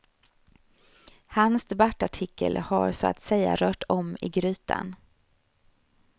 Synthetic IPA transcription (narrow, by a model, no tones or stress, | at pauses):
hansd̪ɛbaʈːaʈʰɪkʰːəlhaɾsɔa̰t̪sɛjːa̰ɾœːʈɔmɪɡɾʉ̟ːt̪ʰa̰n